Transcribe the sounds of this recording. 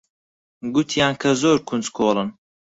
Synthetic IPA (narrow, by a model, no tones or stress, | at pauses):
ɡut̪ʰjaːnkʰɐzoːɾkʰunt͡skʰoːlɨn